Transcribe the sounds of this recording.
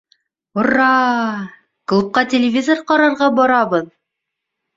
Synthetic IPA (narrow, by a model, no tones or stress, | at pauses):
orːɑ | klˠup̚qɑtʲɪlʲɪvʲizorqɒɾɑɾʁɑbɒɾɑβɤð